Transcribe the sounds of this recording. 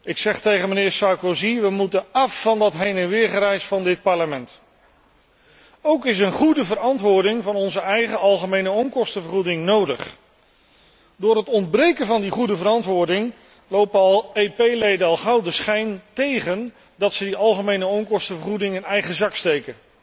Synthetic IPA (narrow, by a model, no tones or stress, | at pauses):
ɪksɛχtejχənmənɪːɹsɑɹkoziʋəmutənɑfːɑndɑtɦejnənʋɪːɹχəɾɛjsfɑndɪt̚pɑɹləmɛnt | owkɪs̬ənχudəvəɾɑntʋʊːɹdɪŋvɑnɔnzəɛjχəɑlˠχəmejnəɔmkɔstəvəɹχudɪŋnowdəχ | dʊːɾɦətɔnd̚brejkənvɑndiχudəvəɾɑntʋʊːɹdɪŋ | lowpɑlˠepejlejdənɑlˠχɑwdəsχɛjntejχən | dɑtsədiɑlˠχəmejnəɔŋkɔstəvəɹχudɪŋɪnɛjχəzɑkstejkən